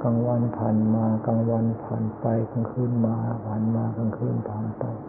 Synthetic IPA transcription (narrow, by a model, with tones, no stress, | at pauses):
ka˧ŋwa˧˥˨npʰaː˨nmaː˧ka˧ŋwa˧˨npʰa̰ː˨˩npa˨˧jka˧ŋkʰɯː˧˥˨nmaː˧pʰaː˨˩nmaː˧ka˧ŋkʰɯː˧˥˨np̪ʰaː˨˦npa˧j